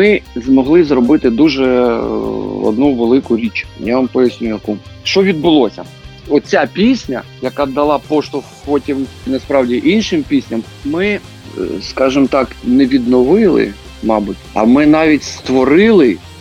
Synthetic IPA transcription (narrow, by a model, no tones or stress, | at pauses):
mɪzmɔɦlˠɪzrɔbɪt̪ɪd̪uʒɛ | ɔ̰d̪nuʋelˠɪkʊɾʲit͡ʃjaʋɐmpɔjɐsʲnʲujɐkuʃt͡ʃɔʋʲid̪̚bʊlˠɔsʲɐ̰ | ɔt̪t͡sʲapʲisʲnʲɐjɐkɑd̪ɐlˠɑpɔʃt̪ʊ | pɔtʲimnɛspɾɑwdʲiʔinʃɪmpʲisʲnʲɐm | mɪ | skɑʒɪmt̪ɑknɛʋʲid̪nɔʋɪlˠɪ̰ | mɑbʊtʲɐ̰mɪnɑʋʲitʲst̪ʋɔɾɪlˠɪ